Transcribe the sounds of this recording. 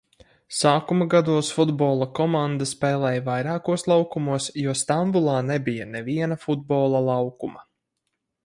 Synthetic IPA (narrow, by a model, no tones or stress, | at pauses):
saːkumaɡad̪uɔsfud̪bɔːlˠɐkɔmand̪aspɛːlˠɛːjvajɾɑːkuɔslˠawkumuɔsjuɔst̪ambulˠɑːnɛbijɐnɛviɛnɐfud̪̚bɔːlˠɐlˠawkumɐ